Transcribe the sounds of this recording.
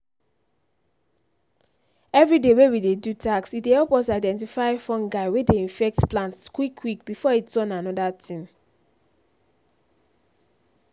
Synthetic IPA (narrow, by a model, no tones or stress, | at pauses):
ɛvɹidewewidedutʰaksit̚dehɛlpwɔsaɪdɛ̃nt̬ifaɪfɔ̃nɡaɪwedeĩnfɛk̚tplãntskwikʰwik̚bifɔitɔ̃nãnɔdatʰĩn